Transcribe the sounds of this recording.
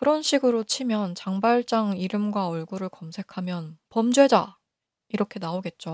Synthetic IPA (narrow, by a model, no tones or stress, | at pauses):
kɯɾʌnɕʰiɡɯɾot͡ɕʰimjʌnt͡ɕaŋbaɭt͡ɕ͈aŋiɾɯmɡwaʌɭɡuɾɯɭkʌmsʰe̞kʰamjʌnpʌmd͡ʑwe̞d͡ʑa | iɾʌkʰe̞naoɡe̞t̚t͡ɕ͈o